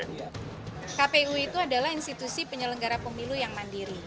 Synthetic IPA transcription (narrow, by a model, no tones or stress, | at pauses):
kapeuit̪uadalahinst̪it̪usipəɲələŋɡaɾapəmilujaŋmandiɾi